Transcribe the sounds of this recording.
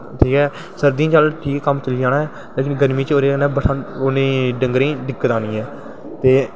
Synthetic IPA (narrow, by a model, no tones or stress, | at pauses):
ʈʰiːkɛː | səɾd̪ĩːt͡ʃəlʈʰiːkːkːəmt͡ʃəliːaːnaːɛː | leːkɪnɡəɾmiːt͡ʃoːɾeːnɛ̃ːbəsʰaoːnẽːɖəŋɡɾẽːd̪ɪkːət̪aːniːɛː | t̪eː